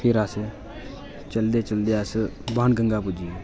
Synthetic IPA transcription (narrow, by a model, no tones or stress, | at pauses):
pʰɪɾas | t͡ʃəld̪eːt͡ʃəld̪eːəsbaːnɡəŋɡaːpʊd͡ʒieː